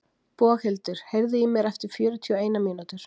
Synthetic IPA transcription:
pɔːhɛlt̪ʏɾ̥hejɾðɪimjɛɾɛft̪ɪɾ̥fjœːɾʏt̪ʰiɔeːjnamiːnat̪ʏɾ̥

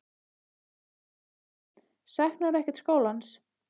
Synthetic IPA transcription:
sɛxnaɾɛhcɛt̪skoːwlans

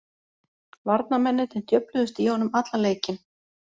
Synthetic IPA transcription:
vaɾt̪̚namɛnːɪt̪ɛnt̪jœplʏðʏst̪iɔnʏmat̪laleːjcɪn

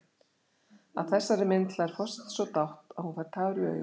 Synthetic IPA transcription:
a̰ðθɛsːaɾɪmɪnt̪laɛɾ̥fɔst̪sɔt̪awht̪aðhunfaɾ̥t̪ʰaːɣʏɾʏœ̰ː

